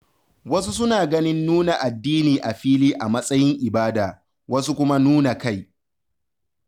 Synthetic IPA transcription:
wɐ˦s̬u˦s̬ʊ˦naː˨ɡɐ˦nɪ˦nːuː˦na˨ʔa˨dːiː˦niː˨ʔa˨ɸiː˦liː˦ʔa˨mɐ˦sʼɐ˦jɪ˦ŋʔɪ˨baː˦daː˨ | wɐ˦su˦kʷʊ˦ma˦nuː˦na˨ka˦j

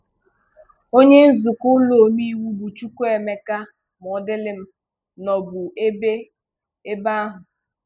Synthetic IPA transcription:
o˦ɲe˦n̩˦zʊ˨kʊ˦lo˨mi˦wu˦bu˨t͡ʃu˦kʷo˦e˨me˦ka˦ | m˨ɔ˨˦dɪ˦lɪ˦m̩˦ | nɔ˨bʊ˨e˦be˦ | e˦ba˦ɦʊ˨

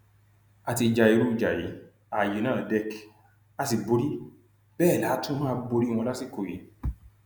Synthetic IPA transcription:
a˨ti˧d͡ʒa˨i˧ɾu˦˨d͡ʒa˨jḭ˨˦ | a˨je˨˦nãː˦˨dɛ˦k | a˧si˨bo˨˧ɾi˦ | bɛː˦˨la˨˦tũ˦mã˦˧bo˧ɾi˦˧w̃ɔ̃˧la˦si˦˨ko˨ji˨˦

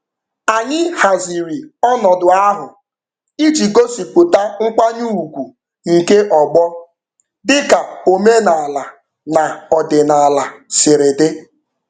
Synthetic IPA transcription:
a˨ɲɪ˦ha˨zi˨ɾi˨ɔ˦nɔ˨dʊ˨a˦ɦʊ˨ | i˦d͡ʒi˨ɡo˦si˨k͡pʊ˨ta˦ŋ̩˦k͡pa˦ɲu˦u˨ɡʷu˨ | ŋ̩˨ke˦ʔɔ˨ɡ͡bɔ˦ | dɪ˦ka˨o˨me˦na˨a˨la˨ | na˨ɔ˨dɪ˨na˨a˨la˨sɪ˨ɾe˨dɪ˦

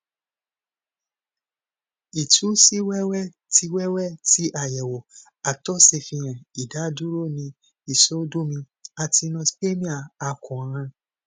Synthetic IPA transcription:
i˨tʰu˨˦si˦wɛ˦wɛ˦ | ti˧˦wɛ˦wɛ˦˨ti˨˦ʔa˦˨jɛ˨wo˨ | a˨tɔ˦se˧˨fĩ˧j̃ɛ̃˨i˨da˨˦du˦ɾo˦˨nĩ˧ | i˦˨so˦du˦mĩ˧ | a˧ti˧nɔ̃˧spe˦mĩ˦a˨a˧kũ˨ɾ̃ã˧

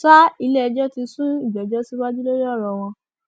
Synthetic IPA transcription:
sa˦i˧lɛ˦ɛ˧d͡ʒɔ˦ti˧sũ˦i˦˨d͡ʒɔ˨d͡ʒɔ˦si˦wa˦d͡ʒi˦lo˦ɾɔ˦˨ɾɔ˨w̃ɔ̃˧

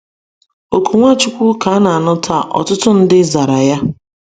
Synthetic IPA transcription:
o˨ku˨ŋʷa˦t͡ʃʊ˦kʷu˦ka˨˦na˨a˨nʊ˦ta˦˨ʔɔ̰˨tʊ˦tʊ˦n̩˦dɪ˦za˨ɾa˨ja˦

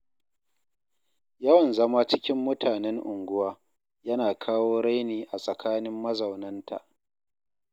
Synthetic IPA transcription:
jɐ˦wɐ˨nzɐ˦ma˦t͡ʃɪ˦kʲɪ˦mːʊ˦tʰaː˨nɛ˦ŋʔʊ˨ŋɡʷʊ˦waː˦ | jɐ˦naː˨kʰaː˦woː˦ɽa˦jniː˨ʔa˨sʼɐ˨kʰaː˦nɪ˦mːɐ˦zɐ˨wnɐ˦ntʰa̰˨ʔ

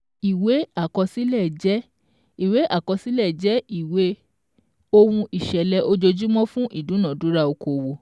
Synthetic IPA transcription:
i˨we˨˦a˦˨kɔ˧si˦lɛ˦˨d͡ʒɛ˨˦ | i˨we˨˦ʔa˦˨kɔ˧si˦lɛ˦˨d͡ʒɛ˨˦i˨we˨˦ | o˧wũ˧ʔi˨ʃɛ˨lɛ˧˦ʔo˧d͡ʒo˧d͡ʒu˦mɔ̃˦fũ˦ʔi˦˨dũ˨˦nã˨dũ˨˦ɾa˦o˧ko˨wo˨

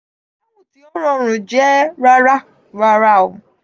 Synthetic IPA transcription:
mũ˦˨ti˦ɔ˦ɾ̃ɔ̃˦˨ɾ̃ũ˨d͡ʒɛ˦ɾa˦ɾa˦ | ɾa˧ɾa˦˨o˨

